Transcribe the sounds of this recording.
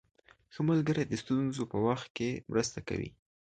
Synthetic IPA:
xəmʊlɡəɾad̪əst̪unzopəwaxt̪̚kemɾəst̪aka̰wḭ

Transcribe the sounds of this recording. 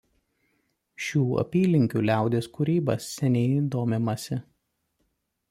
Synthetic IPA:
ʃʲuːɐ̰pʲiːlʲɪŋʲkʲuːlʲæˑʊd̪ʲeːskʊɾʲiːbɐsːʲɛnʲɛɪd̪oːmʲɪmɐsʲɪ

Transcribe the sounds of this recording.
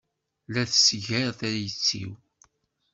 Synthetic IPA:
læθsʝəɾθæjət͡sːḭw

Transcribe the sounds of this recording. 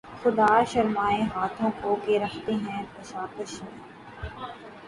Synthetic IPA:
xʊd̪aːʃɐɾmaːeɦaːt̪ʰõkokeɾɐkʰt̪eɦɛ̃p̪ɐʃaːpəʃẽ

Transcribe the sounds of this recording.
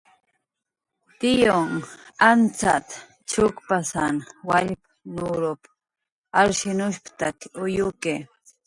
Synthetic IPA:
t̪ɪjoŋant͡sat̪ | t͡ʃʊkpasanwaʎp | nʊɾop | aɾʃɪnʊʃpt̪akʊjʊke

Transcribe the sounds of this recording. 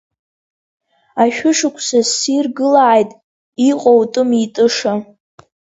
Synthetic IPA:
aʃᶣʊʂɨkʷʰsasirɡɨlaːjtʼ | iqʼowtʼɨmitʼɨʂa

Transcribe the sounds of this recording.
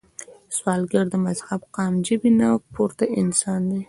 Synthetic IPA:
swɑlɡaɾd̪əmazhabqɑmd͡ʒəbinawpʰoɾt̪aʔɪnsɑnd̪e

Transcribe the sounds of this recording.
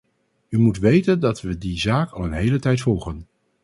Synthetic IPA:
ymutʋejtəndɑtʋədizaːkɑ̰lˠənɦejlətɛjtfɔlˠχən

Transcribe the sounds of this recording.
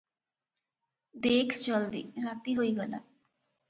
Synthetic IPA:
d̪eːkʰt͡ʃɔld̪ḭːɾaːt̪iɦoiɡɔla̰ː

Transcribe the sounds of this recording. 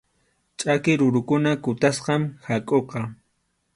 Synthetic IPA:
t͡ʃʼakɪɾʊɾʊkʊnakʊt̪asqɑmhakʼoqɑ

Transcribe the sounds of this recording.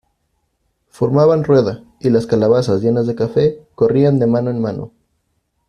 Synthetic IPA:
fo̞ɾmaβanrwe̞ða | ilaskalaβasazʝe̞nazðe̞kafe̞ko̞riand̪e̞mãno̞enmano̞̰

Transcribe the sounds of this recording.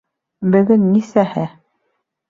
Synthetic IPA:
bɵ̆ɡɘnːisæhɘ

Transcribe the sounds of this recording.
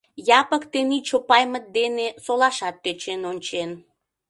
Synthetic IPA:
jɑpəkt̪enit͡ɕopɑjmət̪̚d̪enesolɑʃɑt̪̚ːøt͡ɕenonʲt͡ɕen

